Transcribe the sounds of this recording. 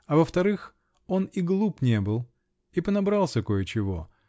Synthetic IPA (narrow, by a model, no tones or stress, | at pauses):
ɐvəft̪ɐɾɨx | o̞niɡlˠupnʲe̞bɨlˠ | ipənɐbɾalˠsʲəko̞jət͡ɕɪvo̞̰